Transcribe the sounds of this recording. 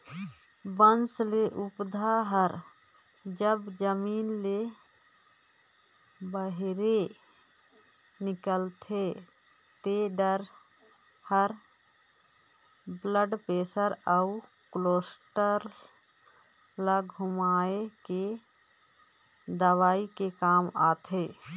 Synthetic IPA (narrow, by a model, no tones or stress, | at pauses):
bənsleʔupd̪ʱaɦəɾ | d͡ʒəbd͡ʒəmiːnle | bəɦɾe | nɪkəlt̪ʰe | t̪eɖəɾ | həɾ | bləɖpeːsəɾəu | kloːsʈəɾ | ləɡɦʊmaːeke | d̪əwaːikekaːmaːt̪ʰeː